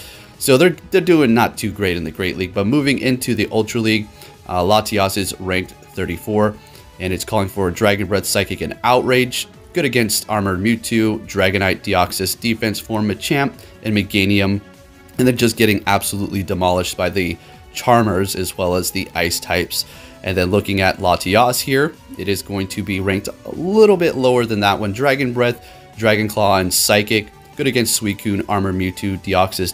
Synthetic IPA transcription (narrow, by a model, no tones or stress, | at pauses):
soʊðə˞ðə˞dʉɪ̃ŋnətʰʉɡɹeɪɾɨ̃nðɨɡɹeɪʔˡliɡ̚bʌt̚muvɪ̃ŋʔɪ̃ntʰʉðiʔʌlˠtɹ̥əliɡ̚ | lɑtʰiɑsɨzɹæ̃ŋk̚ | θɜ˞ɾifɔɹ | ɨ̃ñɨtskʰɔlˠɪ̃ŋfə˞ɨdɹæɡɨ̃nbɹɛd̥saɪkɨkɨ̃naʊʔɹeɪd͡ʒ | ɡ̥ʊɾɨɡɛ̃nstʰɑɹmə˞mjʉtʰʉdɹæɡɨ̃ñaɪt̚d̥iɑksɨsd̥ifɛ̃nsfɔɹmɨt͡ʃʰæ̃mp | ʔɨ̃nmɨɡẽɪ̃niɨ̃m | ɨ̃nðɨ̃d͡ʒʌsɡ̥ɛɾɪ̃ŋæb̥səluʔlidəmɑlˠəʃt̚b̥aɪðɨ | t͡ʃʰɑɹmə˞zɨzwɛlˠəzðiʔaɪstʰaɪps | ʔɨ̃nðɨ̃nlʊkɪ̃ŋɨtˡlɑtʰiɑshiɹɨɾɨzɡoʊɪ̃ŋtʰɨbiɹæ̃ŋk̚təlɪɾl̩ˠbɪʔˡloʊə˞ðɨ̃nðəʔwʔə̃ndɹæɡɨ̃nbɹɛθ | d̥ɹæɡɨ̃nkʰl̥ɔɨ̃nsaɪkɪk̚ | ɡ̥ʊɾɨɡɛ̃nstswikʰʉ̃nɑɹmə˞mjʉtʰʉdiɑksɨs